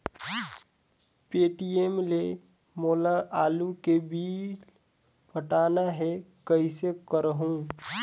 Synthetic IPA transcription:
peːʈiemle | moːlaʔaːlukebiːl | pʰəʈaːnaɦɛkəisekəɾəɦũ

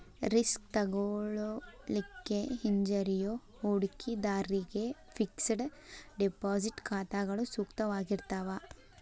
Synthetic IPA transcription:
ɾiskt̪ɐɡoɭolikːeɦiɲd͡ʒɐɾijo | uɽkid̪aːɾiɡe̞fʰiksɽɖipaːsiʈkaːt̪aːɡɐɭusuːkt̪ɐʋaːɡiɾt̪aːʋa

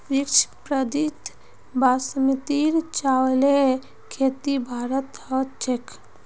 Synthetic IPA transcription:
ɾikt͡ʃpɾəd̪it̪ | basmit̪iɾt͡ʃawle | kʰet̪ibʱaːɾət̪ət͡ʃʰekʰ

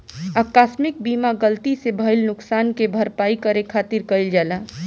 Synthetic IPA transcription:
akasmɪk̚bimaɡəlt̪isebʱəɪlnʊksaːnkebʱəɾpaːikəɾekʰat̪iɾkəild͡ʒala

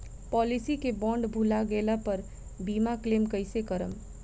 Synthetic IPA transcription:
pɔːlisikebɔ̃ːɳɖbʱulaɡeːlapəɾ | biːmakleːmkəɪsekəɾəm

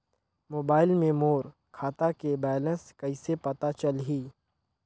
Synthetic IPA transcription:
moːbaːɪlmẽmoːɾ | kʰaːt̪akebɛːlə̃nskɐisepɐt̪at͡ʃɐlɦiː

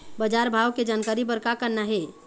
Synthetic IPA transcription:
bəd͡ʒaɾbʱawked͡ʒankaɾibəɾkakəɾnaɦe

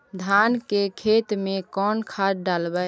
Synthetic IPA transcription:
d̪ʱankekʰet̪mekɔnkʰaɖalbə

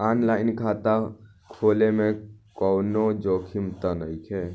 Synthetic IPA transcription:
aːnlaːɪnkʰaːt̪a | kʰoːlemẽkɔːnod͡ʒoːkʰimt̪anəikʰɛ

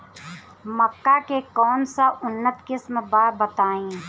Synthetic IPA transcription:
məkːakekɔːnsaʔʊnːət̪kɪsmbaːɾbət̪aːẽː

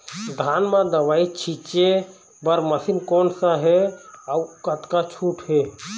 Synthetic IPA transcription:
d̪ʱaːnmãd̪əʋaːit͡ʃʰit͡ʃe | bəɾməsinkoːnsaɦɛaukət̪kat͡ʃʰuːʈɦe

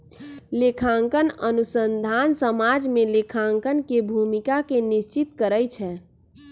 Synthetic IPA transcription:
lekʰãŋkənənusənd̪ʱansəmad͡ʒmẽlekʰãŋkənkebʱumikakenɪʃt͡ʃɪt̪kəɾəjt͡ʃʰɛ

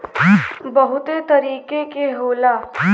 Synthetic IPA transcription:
bɐɦʊt̪et̪ɐɾiːkekeɦoːlaː

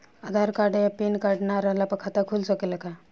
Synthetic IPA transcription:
ad̪ʱaɾkaɾɖajapenkaɾɖnaɾəɦlapəkʰat̪akʰulsɔkelaka

